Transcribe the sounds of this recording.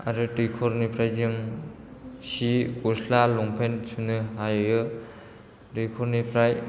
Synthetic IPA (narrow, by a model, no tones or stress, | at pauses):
a̰ɾɯtikʰɔɾnipʰɾajd͡ʒɯŋ | siuslalɔŋpʰensunɯɦajɯjɯ | tikʰɔɾnipʰɾaj